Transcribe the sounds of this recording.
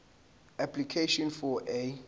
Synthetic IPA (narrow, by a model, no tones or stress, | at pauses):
aplikʰeʃɔ̃nfɔʔe